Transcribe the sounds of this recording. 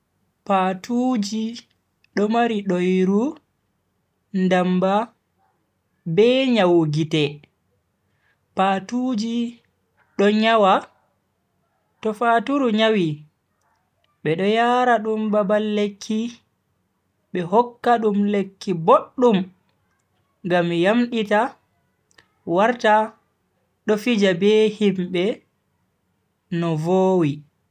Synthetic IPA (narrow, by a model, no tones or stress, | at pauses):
patud͡ʒi | ɗɔmaɾiɗojɾu | ndamba | bɛɲawɡitɛ | patud͡ʒi | ɗɔɲawa | tɔfaːtuɾuɲawi | ɓɛɗɔjaːɾaɗumbabalːekʰːi | ɓɛɦɔkːaɗumlekːiboɗːum | ŋɡamjamɗita | waɾta | ɗɔfid͡ʒabɛːhimbɛ | nɔvoːwi